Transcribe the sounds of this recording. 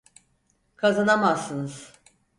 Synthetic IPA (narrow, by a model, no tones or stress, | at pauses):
kʰazanamazːɯnɯz̥